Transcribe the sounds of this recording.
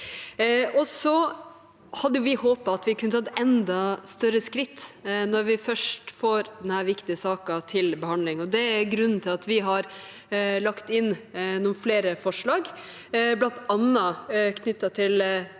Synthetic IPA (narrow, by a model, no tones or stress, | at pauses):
ɔsɔ | hɑd̪ːəʊʋɪhoːpɑɑt̪ʋɪkʰʉnət̪ʰɑt̪ɛnd̪ɑst̪œɾəskɾɪt̪ːnɔɾʋɪfœʂʈfoːɾd̪ɛnhæːɾʋɪkt̪ɪəsɑːkɑt̪ʰɪlbəhɑnd̪lɪŋɔd̪ɛæɾɡɾʉnn̩t̪ʰɪlɑt̪ʋɪɦɑɾ | lɑkt̪ɪnnʊfleːɾəfɔʂɭɑːɡ | blɑnt̪ɑnːɑkʰnʏt̪ːɑt̪ʰɪl